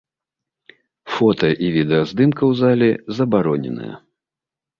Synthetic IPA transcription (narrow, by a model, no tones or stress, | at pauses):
fɔt̪ɐʔivʲid̪ɛɐzd̪ɨmkɐwzalʲɛzɐbaɾɔnʲɛ̰nɨ̰jɐ̰